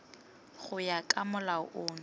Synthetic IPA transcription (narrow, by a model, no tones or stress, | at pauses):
χʊjakʼamʊlaʊʔʊːn